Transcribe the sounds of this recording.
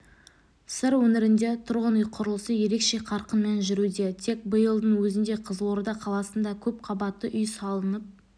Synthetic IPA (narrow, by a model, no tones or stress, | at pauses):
sɪɾwɵneɾɪnd̪e̞t̪ʰʊɾʁənʏjqʰʊɾəlˠəsəje̞ɾe̞kʃe̞qʰɑɾqənme̞nʒʏɾud̪e̞t̪ʰe̞k̚bəjəlˠd̪əɴwɵzɪnd̪e̞qʰəzo̞ɾd̪ɑqʰɑlˠɑsənd̪ɑkʲʰɵp̚qʰɑbɑt̪ːəʔʏjsɑlˠənəp̚